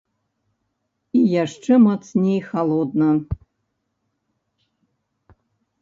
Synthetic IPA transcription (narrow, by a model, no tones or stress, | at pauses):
ijaʂʈ͡ʂɛmat̪snʲejxalˠɔd̪nɐ